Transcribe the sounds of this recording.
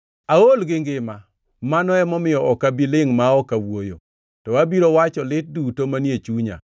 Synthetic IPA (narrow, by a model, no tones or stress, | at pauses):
aolɡɪŋɡɪma | manɔɛmɔmɪjɔɔkabilɪŋmaɔkawojo̰ | tɔabiɾowat͡ʃɔlɪt̚dutomanjet͡ʃuɲa̰